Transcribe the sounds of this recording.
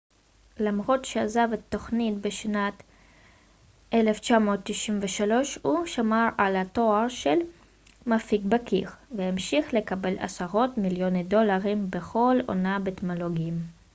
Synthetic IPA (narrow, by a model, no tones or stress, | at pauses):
lamʁo̞t̪ʃeazavet̪ːo̞χnitbeʃnat̪ | ʔeleft͡ʃamo̞ːt̪ːiʃimveʃalo̞ʃhuʃamaʁalat̪o̞aʁʃel | mafikbakʰiʁveimʃiχle̞kabe̞la̰saʁo̞tmiljonedo̞laʁimbeχo̞lo̰nabet̪moloɡiim